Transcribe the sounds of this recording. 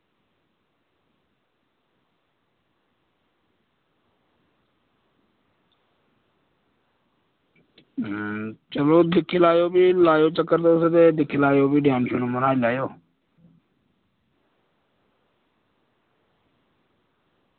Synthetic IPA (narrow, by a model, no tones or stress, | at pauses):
t͡ʃəloːd̪ɪkʰːlaːjoːbʱiːlaːjoːt͡ʃəkːəɾd̪oːset̪eːd̪ɪkʰlaːjoːbiːɖjaːnʃʰuːnõːmənaːilaːjoː